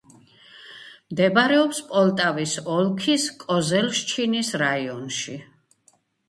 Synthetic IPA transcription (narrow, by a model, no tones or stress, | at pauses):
md̪ɛbaɾɛɔpspʼɔlˠt̪ʼavisɔlˠkʰiskʼɔzɛlʃt͡ʃʰinisɾaiɔnʃi